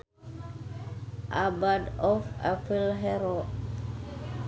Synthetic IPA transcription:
ʔabadɔfa̰filɦɛɾɔ

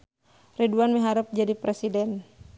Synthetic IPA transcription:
riduanmiɦaɾəp̚d͡ʒadipɾɛsidɛn

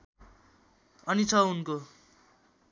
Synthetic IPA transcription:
ʌnit͡sʰʌunko

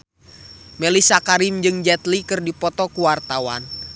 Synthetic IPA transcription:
mɛlisakaɾimd͡ʒɨŋd͡ʒɛt̪likɨrdipɔt̪ɔkuwart̪awa̰n

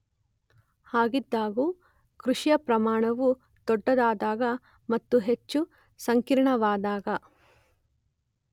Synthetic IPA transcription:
haːɡid̪ːaːɡu | kɾuʂijɐpɾɐmaːɳɐʋu | d̪̥ɔɖːɐd̪aːd̪aːɡɐ | mɐt̪ːuɦet͡ʃːu | sɐŋkiɾɳɐʋaːd̪aːɡɐ

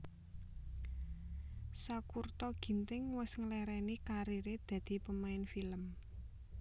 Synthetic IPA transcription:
sakurt̪ɔɡ̥i̤nt̪ɪŋwɪsŋəlɛɾɛnikaɾiɾed̪̥ä̤d̪̥i̤pəmaɪnfiləm

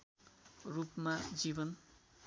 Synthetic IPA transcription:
rupmad͡zibʌn

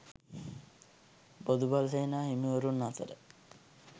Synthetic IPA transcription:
bod̪ubalsejnaːɦimioɾunːat̪əɾə̰

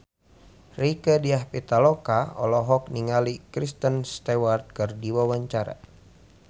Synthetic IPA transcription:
rikədiahpit̪alɔkaɔ̰lɔɦɔk̚niŋalikɾist̪ənst̪ɛwart̪̚kɨrdiwawaɲt͡ʃaɾa̰

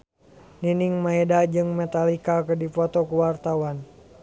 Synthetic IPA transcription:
niniŋmaɛdad͡ʒɨŋmɛt̪alikakədifɔt̪ɔkuwart̪awan

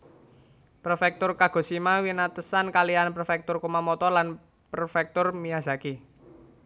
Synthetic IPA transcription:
pɾofɛk̚t̪ʊrkaɡ̥ɔ̤simawinat̪əsankalianpɾofɛk̚t̪ʊrkumamɔt̪ɔlan | pɾofɛk̚t̪ʊrmijaz̥aki

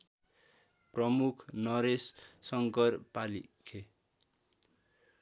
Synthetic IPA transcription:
prʌmukʰnʌɾesːʌŋkʌrpalḭkʰe

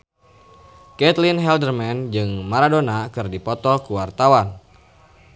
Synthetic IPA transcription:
kɛt̪linɦɛldərmɛnd͡ʒɨŋmaɾadonakɨrdipɔt̪ɔlkuwart̪awan

